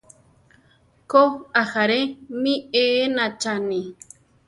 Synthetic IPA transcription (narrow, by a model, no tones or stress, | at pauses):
koaxaɾemĩeːnat͡ʃanĩ